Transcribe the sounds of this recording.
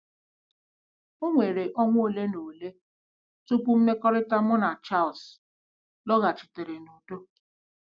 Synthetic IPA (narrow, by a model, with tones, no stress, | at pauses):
o˦ŋʷe˨ɾe˨ʔɔ˦ŋʷ˦o˦le˦no˨le˦ | tu˦pu˦m̩˦me˦kɔ˦ɾɪ˦ta˦mɔ˦na˨t͡ʃa˦˨ls | lɔ˦ɣa˨t͡ʃɪ̥˨te˨ɾe˨no˨do˦